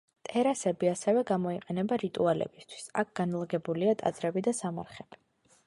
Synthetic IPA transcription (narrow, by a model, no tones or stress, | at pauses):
t̪ʼɛɾasɛbiasɛvɛɡamɔiqʼɛnɛbaɾit̪ʼualɛ̰bist̪ʰwi̥sak̚ʰɡ̥anlˠaɡɛbuliat̪ʼa̰d̪zɾɛbid̪asamaɾχɛb̥i̥